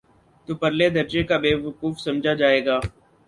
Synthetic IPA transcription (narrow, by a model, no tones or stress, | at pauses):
t̪oːpəɾleːd̪əɾd͡ʒekaːbeːʋəkuːfsəmd͡ʒʱad͡ʒaːeːɡaː